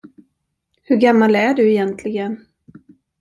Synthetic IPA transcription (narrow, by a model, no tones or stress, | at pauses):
hɵɾɡamːalæɖɵɛjɛnt̪ʰlɪɡən